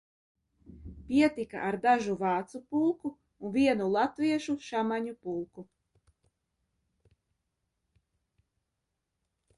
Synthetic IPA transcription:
pʲiɛt̪ika̰ʔaɾd̪aʒuvaːt̪supulˠkuː | nviɛnulˠat̪viɛʃuʃamaɲupulˠku

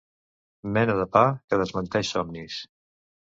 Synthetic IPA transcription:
mɛnəðəpakəðəzmənt̪ɛʃsɔmnis

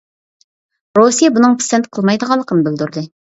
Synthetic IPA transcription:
ɾosijɛbunɨŋpʰi̥sɛnt̪qʰəlˠmɑjd̪əʁɑlˠːəqʰənɨbɪld̪uɾd̪ɨ

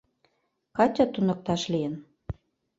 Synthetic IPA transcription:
kɑt͡ɕʲɑt̪unɤ̆k̚t̪ɑʃlijən

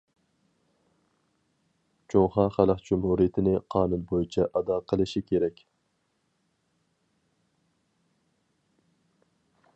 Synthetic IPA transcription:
t͡ʃʰoŋχɑːχæləqd͡ʒumhuɾijɪt̪ʰɪnɪqʰɑːnunbojit͡ʃʰɛʔɑd̪ɑːqʰəlˠɨʃikʲʰeɾɛkʲ

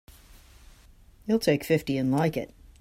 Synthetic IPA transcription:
jilˠtʰeɪkfɪftiɨ̃nlaɪkɪ̰t̚

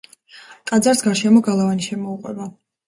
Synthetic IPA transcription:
t̪ʼad̪zaɾsɡaɾʃɛmɔɡalˠavaniʃɛmɔuqʼwɛ̰ba

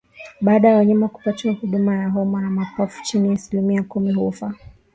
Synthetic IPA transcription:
ɓaːɗajawaɲamaku̥patuahuɗumajaɦɔmanamakɔfu̥t͡ʃiniasilimiakumiɦufa

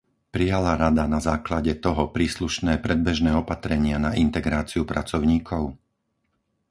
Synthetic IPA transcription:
pɾijalaɾad̪anazaːklaɟɛt̪ɔɦɔpɾiːsluʃnɛːpɾɛd̪̚bɛʒnɛːɔpat̪ɾɛɲɪanaʔint̪ɛɡɾaːt͡siupɾat͡sɔʊɲiːkʰɔʊ

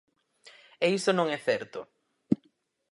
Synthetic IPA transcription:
eisonõŋɛθɛɾt̪ʊ

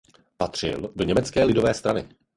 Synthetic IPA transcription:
pat̪r̝̥ɪ̰ldo̞ɲɛmɛt͡skɛːlɪdo̞vɛːst̪ɾanɪ̰

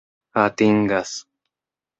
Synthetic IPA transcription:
at̪iŋɡas

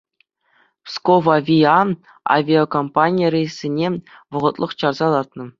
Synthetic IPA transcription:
skoʋɑvʲiɑ | a̰vʲiokompanʲijərʲejsʲːinʲeʋɤ̆ʁɤ̆t̪lˠɤ̆χt͡ɕɑrzɑlˠɑt̪̚nɤ̆

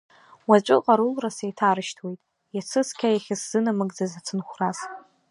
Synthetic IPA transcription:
wat͡ʃʷʼɪqʼaɾulrasajtʰaɾɨʃtʰwejtʼ | jat͡sʰɨskʲʰajaχʲasz̥ɨnamɨɡʼd͡zazat͡sʰɨnχʷraz

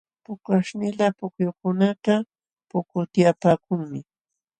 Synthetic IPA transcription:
pʊkaʃnɪlapʊkjokʊnat̪a | pʊkʊt̪japaːkʊŋmɪ

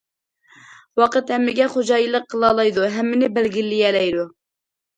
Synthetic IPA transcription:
wɑqət̪hɛmːɪɡʲɛχod͡ʒɑːjilˠəqʰːəlˠɑlˠɑjd̪uɦɛmːɪnɪbælɡʲilːɪjɛlɛjd̪u

